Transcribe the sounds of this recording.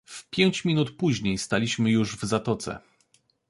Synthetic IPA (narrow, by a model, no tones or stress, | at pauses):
fpʲjeɲt͡ɕmʲinut̪puʑɲejst̪alʲiɕmɘjuʐvzat̪ɔt̪sɛ̰